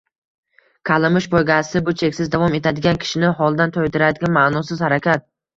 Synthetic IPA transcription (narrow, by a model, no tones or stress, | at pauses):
kʰalˠɪmɪʃbojɡʲasɪbʊt͡ʃʰe̞kʲsɪzd̪avɒme̞t̪ʰad̪ɪɡʲankʲʰɪ̥ʃɪnɪɦɒlˠd̪ant̪ʰojt̪ʰɪɾad̪ɪɡʲanmaʔnɒsɪzhaɾakʲʰat̪̚